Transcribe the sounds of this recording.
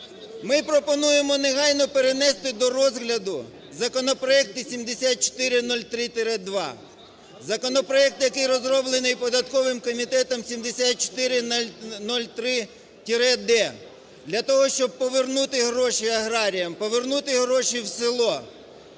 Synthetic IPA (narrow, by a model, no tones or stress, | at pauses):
mɪpɾɔpɔnujemɔneɦɑjnɔpeɾenɛst̪ɪd̪ɔɾɔzɦlʲɐd̪ʊ | zɐkɔnɔpɾɔɛk̚t̪ɪsʲimd̪esʲat̪̚t͡ʃt̪ɪɾɪnɔlʲt̪ɾɪt̪ʲɪɾɛd̪ʋɑ̰ | zɐkɔnɔpɾɔɛk̚t̪jɐkɪjɾɔzrɔblˠenɪjpɔd̪ɐt̪kɔʋɪmkɔmʲit̪ɛt̪ɔmsʲimd̪esʲat̪̚t͡ʃɔ̥t̪ɪɾɪnɔlʲt̪ɾɪ | t̪ʲiɾɛd̪ɛ | d̪lʲɐt̪ɔɦɔʃt͡ʃɔb̚pɔʋernut̪ɪɦɾɔʃiɐɦɾɑɾʲijɐmpɔʋernut̪ɪɦɾɔʃiwsʲɪlˠɔ